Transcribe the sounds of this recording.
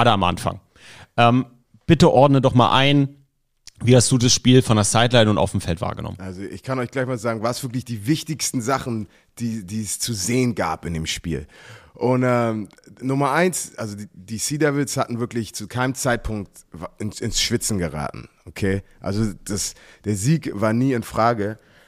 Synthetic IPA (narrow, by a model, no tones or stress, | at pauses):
hatəamʔa̰nfa̰ŋ | ʔɛːm | b̥ɪtəʔɔɐdnədɔχma̰ːlʔa̰ɪn | viːhastd̥uːdasʃpiːlfɔndeɐsaɪtlaɪnʊŋa̰ʊfm̩fɛltva̰ːɐɡənɔ̰mənʔalzoʔɪ̰çkʰanɔʏçɡ̥laɪçmaːlzaːɡŋ̩vaːsv̥ɪɐk̬lɪçd̥iːvɪçtɪçstn̩zaχn̩ | d̥iːdiːɛst͡suzeːənɡa̰ːpɪndeːmʃpḭːlʔʊntʔɛːmnʊmɐʔaɪnsʔalzodid̥iːsiːdɛvɪlshatn̩vɪɐklɪçt͡sukʰaɪnəmt͡saɪt̚pʰʊŋk̚t | vɪnsɪnsʃv̥ɪt͡sn̩ɡəʁ̞a̰ːtn̩ʔokʰeːʔa̰lzod̥asd̥eːɐziːkvaːɐniːɪnfʁ̥aːɡə